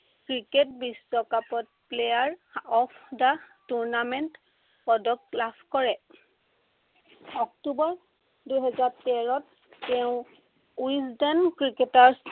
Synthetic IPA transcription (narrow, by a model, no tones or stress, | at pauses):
kɹiketbisːɔkapɔt̚plejaɹɔpʰdatuɹnamɛnt | pɔdɔklapʰkɔɹɛ | ɔktubɔɹ | dujɦɛzaɹtɛɹɔt̚ː | ɛʊ̃ | wsdankɹiketaɹs